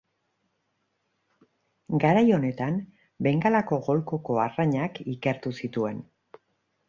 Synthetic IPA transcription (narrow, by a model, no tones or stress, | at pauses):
ɡaɾajo̞ne̞t̪am | be̞ŋɡalako̞ɣo̞lkoko̞araɲakike̞ɾt̪usit̪ue̞n